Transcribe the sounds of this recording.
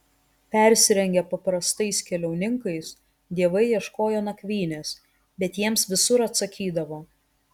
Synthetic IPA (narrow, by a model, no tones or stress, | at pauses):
pʲæˑɾʲsʲɪɾʲɛŋʲɡʲɛpɐpɾɐst̪ɐɪskʲɛlʲɛʊnʲɪŋkɐɪs | d̪ʲiɛʋɐɪjiɛʃkoːjoːnɐkʲʋʲiːnʲeːs | bʲɛt̪jiɛmsʋʲɪsʊɾɐt̪sɐkʲiːd̪ɐʋoː